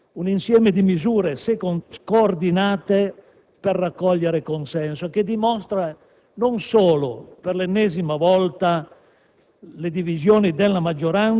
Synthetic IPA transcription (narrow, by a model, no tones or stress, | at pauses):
uninsjɛːmed̪imizuːɾesekoskoːrd̪inaːt̪e | perːakːɔʎːeɾekonsɛnsok̟ed̪imɔst̪ɾa | nonsoːlo̰perlenːɛːzimavɔlt̪a | led̪ivizjoːnid̪elːamad͡ʒoɾan